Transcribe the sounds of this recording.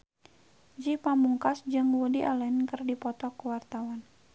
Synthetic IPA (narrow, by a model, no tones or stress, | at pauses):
d͡ʒipamuŋkasd͡ʒɨŋwudiʔalɛnkɨrdipɔt̪ɔkuwart̪awan